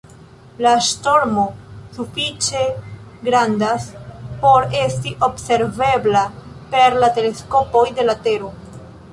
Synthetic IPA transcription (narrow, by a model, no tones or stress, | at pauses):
laʃto̞ɾmo̞sufit͡ʃe̞ɡɾandaspo̞ɾe̞stiʔo̞bse̞ɾve̞bla | pe̞ɾlate̞le̞sko̞po̞jde̞late̞ɾo̞